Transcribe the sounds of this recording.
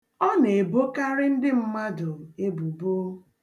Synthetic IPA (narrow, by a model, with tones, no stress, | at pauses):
ɔ˦ne˨e˨bo˦ka˦ɾɪ˦n̩˦dɪ˦m̩˦ma˦dʊ˨e˦bu˨bo˦